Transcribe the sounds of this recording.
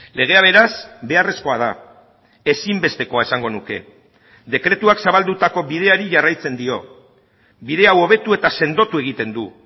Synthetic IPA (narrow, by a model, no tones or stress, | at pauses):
le̞ɣ̞e̞aβ̞e̞ɾasbe̞are̞sko̞að̞a | esimbe̞st̪e̞ko̞ae̞saŋɡo̞nuke̞̰ | d̪e̞kɾe̞t̪uaksaβald̪ut̪ako̞βið̞e̞aɾiʝarajt͡se̞nd̪io̞ | biðe̞awo̞β̞e̞t̪ue̞t̪ase̞nd̪o̞t̪ue̞ɣ̞it̪e̞nd̪u